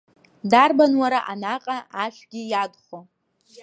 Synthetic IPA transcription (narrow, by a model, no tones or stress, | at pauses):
darbanwaɾaʔanaqʼaaʃʷᶣɡʲɪjadχo